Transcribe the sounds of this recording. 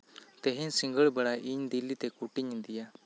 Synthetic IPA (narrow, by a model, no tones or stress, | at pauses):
t̪eɦẽsɪ̃ŋɡəɭbəɽaːʔiɲd̪ilːit̪ekuʈɪɲd̪ɪjaː